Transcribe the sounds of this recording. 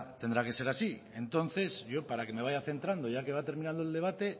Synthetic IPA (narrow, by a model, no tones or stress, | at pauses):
t̪e̞nd̪ɾake̞se̞ɾasie̞nt̪o̞nθe̞zʝo̞paɾake̞me̞β̞ajaθe̞nt̪ɾand̪o̞ʝake̞βat̪e̞ɾminãnd̪oe̞ld̪e̞β̞at̪e̞